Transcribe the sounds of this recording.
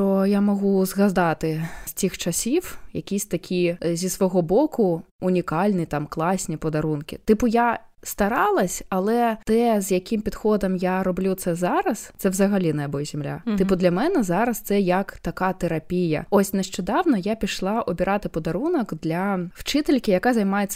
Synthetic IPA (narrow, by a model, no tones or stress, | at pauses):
ɔjamɔɣuzɣɐd̪ɑt̪ɪsʲtʲixt͡ʃɐsʲiwjɐ̰kʲisʲt̪ɐkʲizʲisʋɔɦɔbɔkʊ | ʊnʲikɑlʲnʲit̪ɑmklˠɑsʲnʲipɔd̪ɐɾunkʲɪ̰t̪ɪpʊjast̪ɐɾɑlˠɐsʲɐlˠɛt̪ɛzjɐkʲɪmpʲid̪xɔd̪ɐmjaɾɔblʲut̪sɛzɑɾɐst̪sɛwzɐɣɐlʲinɐɐbɔjzʲɪmlʲa̰ɪpʊd̪lʲɐmɛnɛzɑɾɐst̪sɛjɐkt̪ɐkat̪eɾɐpʲijɐ̰ɔsʲnɛʃt͡ʃɔd̪ɑwnɐjapʲiʃlˠɑʔɔbʲɪɾɑt̪ɪpɔd̪ɐɾunɐkd̪lʲɐwt͡ʃɪt̪elʲkʲɪjɐkazɐjmɑjesʲːɐ